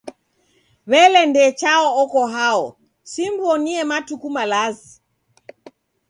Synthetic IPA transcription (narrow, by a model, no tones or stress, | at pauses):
βɛlɛndɛt͡ʃaɔɔkɔɦaɔ | simbɔniɛmatukumalazi